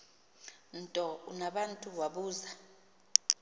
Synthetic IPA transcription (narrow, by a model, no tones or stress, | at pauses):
ntʼɔunaɓantʼuwaɓuːza